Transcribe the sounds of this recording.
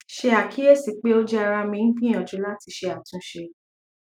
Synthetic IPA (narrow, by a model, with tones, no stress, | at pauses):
ʃe˧a˨kʰi˨˦jɛ˦˨si˨k͡pe˦o˦d͡ʒɛ˦a˧ɾa˧mĩ˧˦n̩˦kĩ˦ɔ̃˨d͡ʒu˨˦la˦ti˧˦ʃe˧a˨tũ˨˦ʃe˧